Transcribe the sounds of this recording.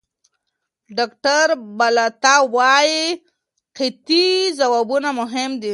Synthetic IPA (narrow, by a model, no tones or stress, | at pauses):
ɖakʈaɾbalat̪awɑji | qɪt̪izawabunamʊɦɪmd̪i